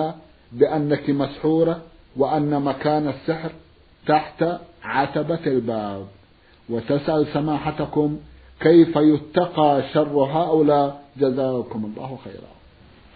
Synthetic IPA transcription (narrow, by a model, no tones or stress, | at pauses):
a | bɪʔanːakimasħuːɾˤɑwɪʔanːamakaːnasːɪħɾ | t̪aħt̪aʕat̪abaalbaːb̚ | wɪt̪asʔalsamaːħat̪akʊm | kajfajʊt̪ːɑqɑːʃɑrˤːɦaːʔʊlaːd͡ʒazaːkʊmɑlˤːɑ̰ːhwxa̰jɾˤɑ̰